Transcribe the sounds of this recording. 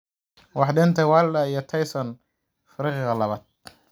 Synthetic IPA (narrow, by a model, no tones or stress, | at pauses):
wɑħd̪ɪnt̪ʰɛwaːllɐijɔt̪ʰɐjsɔn | fɪɾiːqːɣɐlɐβaːd̪̚